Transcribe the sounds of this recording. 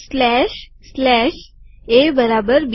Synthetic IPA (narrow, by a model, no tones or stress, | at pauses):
slɛɕ | slɛɕebəɾabəɾb